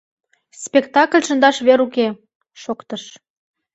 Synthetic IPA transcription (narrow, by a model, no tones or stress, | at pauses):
spʲekt̪ɑklʲʃə̆nd̪ɑʃβeɾuke | ʃokt̪əʃ